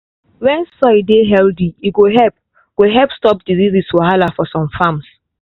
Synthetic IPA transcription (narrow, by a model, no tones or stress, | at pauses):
wɛ̃nsɔjdeɦɛldiiɡoɦɛp̚ | ɡ̥oɦɛpstɔp̚diziziswɔhalafɔsɔ̃mfãms